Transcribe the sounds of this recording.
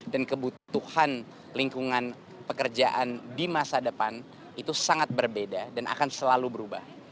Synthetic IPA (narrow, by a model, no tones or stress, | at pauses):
dankəbut̪uhan | liŋkuŋan | pəkərd͡ʒaʔandimasadəpan | it̪usaŋat̪̚bərbedadanʔa̰kansəlalubəɾuba̰h